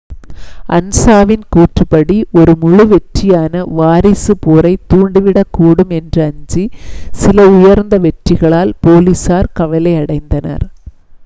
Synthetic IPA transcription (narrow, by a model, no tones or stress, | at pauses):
ɐ̰nsaːʋɪnkuːʈrɯpɐɽiʔɔɾɯmʊɻɯʋɛʈrɪjaːnɐʋaːɾɪsɯpoːɾɐɪt̪ːuːɳɖɯʋɪɽɐkːuːɽɯmɛndrɯɐɲd͡ʒisɪlɐʊjɐɾnd̪ɐʋɛʈrɪɣɐɭaːlpoːlisaːɾkɐʋɐlɐɪɐɽɐɪnd̪ɐnɐ̰ɾ